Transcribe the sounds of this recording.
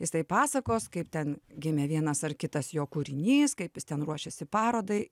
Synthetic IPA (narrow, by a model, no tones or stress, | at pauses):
jɪst̪ɐɪpɑːsɐkoːskɐɪpt̪ʲɛnɡʲɪmʲɛʋʲiɛnɐsɐrkʲɪt̪ɐsjoːkuɾʲɪnʲiːskɐɪpjɪst̪ʲɛnruɔʃʲɛsʲɪpɑːɾoːd̪ɐɪ